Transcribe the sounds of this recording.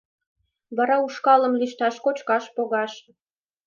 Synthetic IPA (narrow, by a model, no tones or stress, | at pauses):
βɑɾɑuʃkɑlə̆mliʃt̪ɑʃkot͡ɕkɑʃpoɣɑʃ